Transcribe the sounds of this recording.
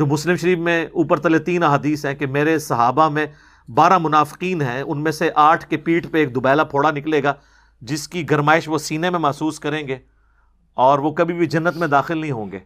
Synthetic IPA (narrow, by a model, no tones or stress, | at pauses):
d͡ʒoːmʊslɪmʃɐɾiːbmẽuːpəɾt̪ɐlet̪iːnɐɦaːd̪iːsɦɛ̃kemeːɾesɐɦaːbamẽ | baːɾamʊnaːfɪ̥qiːnɦɛ̃ʊnmẽseʔaːʈʰkepiːʈʰpeeːk̚d̪ʊbɛːlapʰoːɽanɪkleːɡaː | d͡ʒɪskiɡɐɾmaːɪʃʋosiːnemẽmɛɦsuːskɐɾẽːŋɡeː | ɔːɾʋokɐbʱibʱid͡ʒɐnːət̪mẽd̪aːxɪlnɐɦĩɦõːŋɡḛː